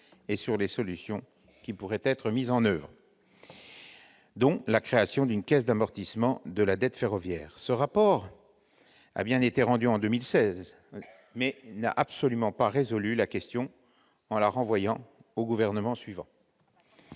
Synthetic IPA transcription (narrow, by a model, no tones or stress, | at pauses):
esyʁlesɔlysjɔ̃ | kʲipuʁɛt̪ɛt̪χəmizɑ̃nœvʁ | d̪ɔ̃lakχeasjɔ̃d̪ynkʲɛsd̪amɔʁt̪ismɑ̃d̪əlad̪ɛt̪feʁɔvjɛːʁsəʁapɔʁ | a̰bjɛ̃net̪eʁɑ̃d̪yɑ̃d̪ømilsɛz | mɛna̰ʔapsɔlymɑ̃paʁezɔlylakʲɛst̪jɔ̃ | ɑ̃laʁɑ̃vwajɑ̃oɡuvɛʁnəmɑ̃sɥivɑ̰̃